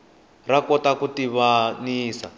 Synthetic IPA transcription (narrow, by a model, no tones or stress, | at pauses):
rakɔtakutiβaniːsa̰